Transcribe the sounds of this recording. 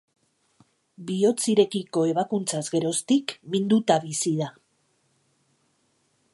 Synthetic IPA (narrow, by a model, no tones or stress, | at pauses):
bio̞t͡siɾe̞kiko̞e̞βakunt͡sazɡe̞ɾo̞st̪ikmind̪ut̪aβisið̞a